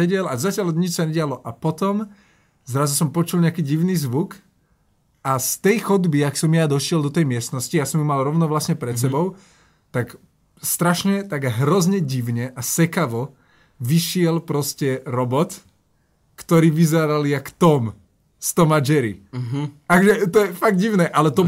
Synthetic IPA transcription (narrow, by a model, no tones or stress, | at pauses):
ɛɟɛlazacɪalɲit͡ʃsaɲɛɟɪalɔʔapɔt̪ɔm | zɾazusɔmpɔt͡ʃulɲɛakiːɟiʊniːzʋuk | ast̪ɛjxɔd̪biaksɔmjad̪ɔʃɪɛlˠd̪ɔt̪ɛjmɪɛst̪nɔscijasɔmjumalɾɔʊnɔʋlasɲɛpɾɛt̪sɛbɔʊ | t̪ak | st̪ɾaʃɲɛt̪aɡɦɾɔzɲɛɟiʋɲɛʔasɛkaʋɔ | ʋiʃɪɛlpɾɔscɛɾɔbɔt̪ | kt̪ɔɾiːʋizɛɾaljakt̪ɔm | st̪ɔmad͡ʒɛɾḭ | akɔʒɛt̪ɔjɛfaɡ̚d̪ɟiʊnɛːʔalɛt̪ɔ